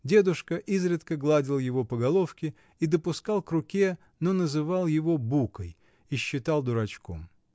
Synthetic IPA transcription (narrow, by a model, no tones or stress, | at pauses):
dʲe̞d̪ʊʂkəʔizɾʲɪt̪kəɡlˠadʲɪlˠjɪvo̞pəɡɐlˠo̞fkʲɪ | id̪əpʊskalˠkɾʊkʲe | no̞nəzɨvɑlˠjɪvo̞bukəj | iɕːɪt̪alˠd̪ʊɾɐt͡ɕko̰m